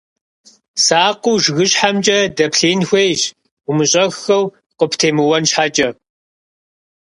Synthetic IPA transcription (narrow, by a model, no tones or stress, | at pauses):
saːquːʒɣɨɕħamd͡ʒʼɐdɐpɬeːnxʷejɕʷ | ʊmɨɕʼɐxxɐw | qəpʰtʰeːmɨwɐnɕħaːt͡ʃʼɐ